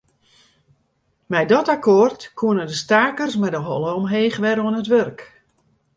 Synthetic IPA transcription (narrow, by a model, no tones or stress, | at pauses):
mɛjdɔtakʰortkʰuənədəstaːkərsmɛdəɦɔlˠəɔmɦeːxʋɛɾəɔənətʋørk